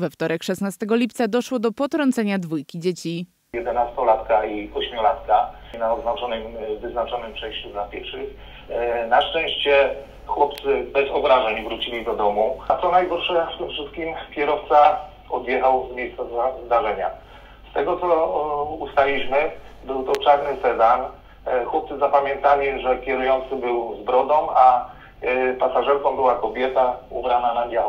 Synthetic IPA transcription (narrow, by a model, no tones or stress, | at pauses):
vɛft̪ɔɾɛkʂɛsnast̪ɛɡɔlʲip̚t̪sad̪ɔʂwɔd̪ɔpɔt̪ɾɔnt̪sɛɲad̪vujkʲid͡ʑet͡ɕi | jɛd̪ɛnast̪ɔlat̪kaiɔɕmʲjɔlat̪kanaɔd̪znat͡ʂɔnɘmvɘznat͡ʂɔnɘmt͡ʂɛ̃t͡ɕud̪lapʲjɛɾfʂɘx | naʂt͡ʂɛ̃w̃ɕt͡ɕɛ | xwɔp̚t̪sɘbɛzɔbɾaʐɛɲvɾut͡ɕilʲid̪ɔd̪ɔmut̪sɔnajɡɔɾʂɛft̪ɘmfʂɘst̪̚kʲimkʲjɛɾɔft̪sa | ɔ̰d̪jɛxawzmjejst̪sazazd̪aʐɛɲa̰ | st̪ɛɡɔt̪sɔust̪alʲiɕmɘbɘwt̪ɔt͡ʂaɾnɘsɛzan | xwɔp̚t̪sɘzapamʲjɛ̃nt̪alʲiʐɛkʲjɛɾujɔnt̪sɘbɘwzbɾɔd̪ɔ̃ma | pasaʐɛɾkɔ̃w̃bɘwakɔbʲjɛt̪aṵbɾananad̪ʲjaw